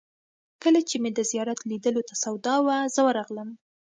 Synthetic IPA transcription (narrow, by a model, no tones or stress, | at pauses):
kəlat͡ʃemed̪əzijɑɾat̪lid̪əlot̪asawd̪ɑwazəwəɾɑɣləm